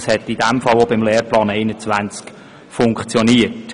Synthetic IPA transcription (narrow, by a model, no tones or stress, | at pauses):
shɛtid̥ɛmfɑlobɪmlɛːɾplɑːnɛɪnət͡sʋænt͡sk | fʊŋkχt͡sjɔniət